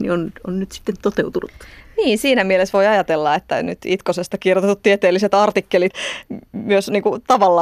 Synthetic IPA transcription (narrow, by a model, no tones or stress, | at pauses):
nḭononnyt̪si̥t̪ːent̪ot̪eut̪unut̪niːnsiːnæmielesʋoiɑjɑt̪elːɑet̪ːæ̰nyt̪it̪kosest̪ɑkirjot̪et̪ut̪t̪ːiet̪eːlːiset̪ɑrt̪ikːelit̪myøsniːŋkut̪ɑʋɑlːɑ